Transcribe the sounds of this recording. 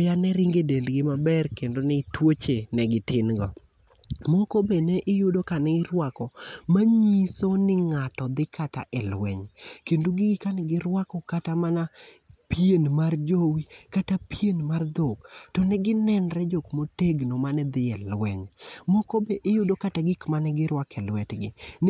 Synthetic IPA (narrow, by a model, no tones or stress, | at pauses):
janɛɾiŋɡedendɡɪmabɛrkendonɛtwot͡ʃenɛɡɪtɪnɡɔ | mɔkobeneʔɪjʊdokanɛɪɾwakɔmaɲisonɪŋatɔd̪ɪkata̰ʔɛlwɛ̰ɲkenduɡɪɡɪkanɛɡɪɾwakɔkatamana | pjenmard͡ʒowikatapjenmard̪oktɔnɛɡɪnɛnɾɛd͡ʒokmoteɡnomanɛd̪ɪɛlwɛɲmɔkobeʔɪjʊdokataɡɪkmanɛɡɪɾwakɛlwɛtɡɪ̰n